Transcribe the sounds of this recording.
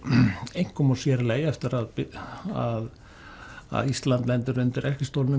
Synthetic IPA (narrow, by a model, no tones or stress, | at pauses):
ejŋ̥kʰːɔmɔsjɛɾlejɛft̪ɪɾaðpɪað | a̰ðist̪lant̪lɛnt̪ɪɾʏnt̪ɪɾɛr̥cɪst̪owlnʏ